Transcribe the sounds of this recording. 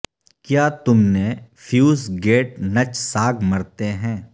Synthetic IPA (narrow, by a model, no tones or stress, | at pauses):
kjaːt̪ʊmnefʰjuːzɡeːʈnɐt͡ʃsaːɡʱmɐɾt̪eɦɛ̃ː